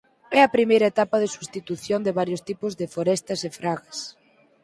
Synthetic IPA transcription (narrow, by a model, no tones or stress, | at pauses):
ɛɐpɾimejɾɐet̪apɐðɪsust̪it̪uθjond̪ɪβaɾjʊst̪ipʊzðɪfoɾɛst̪ɐsefɾaɣɐs